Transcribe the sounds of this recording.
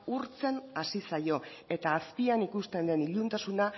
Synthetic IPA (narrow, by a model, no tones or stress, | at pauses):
uɾt͡se̞nasisajo̞e̞t̪aːspianikust̪e̞nd̪e̞niʎunt̪asuna